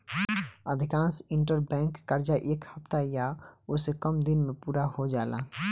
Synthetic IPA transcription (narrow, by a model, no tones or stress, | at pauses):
əd̪ʱɪkãːnsɪ̃ɳʈəɾbɛ̃ːŋkːəɾd͡ʒaʔeːkhəpt̪ajaosekəmd̪ɪnmẽpuːɾahod͡ʒaːla̰ː